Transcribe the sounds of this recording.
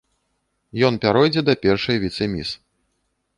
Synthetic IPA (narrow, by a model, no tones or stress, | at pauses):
jɔnpʲaɾɔjd͡zʲɛd̪ɐpʲɛrʂɐjvʲit̪sɨmʲḭs